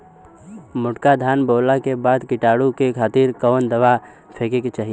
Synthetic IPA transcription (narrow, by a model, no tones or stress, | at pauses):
mʊʈkad̪ʱaːnboːlakebaːd̪kɪʈaːɽukekʰaːt̪iːɾkəːnd̪ɐʋa | pʰeːkekt͡ʃaːɦi